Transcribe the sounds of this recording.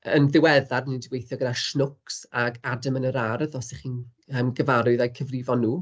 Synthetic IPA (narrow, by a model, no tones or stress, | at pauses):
ənðɪwɛðadənindɪɡwejθjɔɡədaʃnʊksaɡadəmənəɾarðɔsɛχiːn | əmɡəvaɾʊɨðajkʰəvrɪvɔnːuː